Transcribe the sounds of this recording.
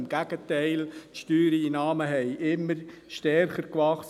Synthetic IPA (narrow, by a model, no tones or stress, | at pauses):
mɡ̥æɡ̥ət̪ɛɪltʃtyːɾiinɑːməɦɛɪʔɪmːəɾʃtɛrχəɾkʋɑχs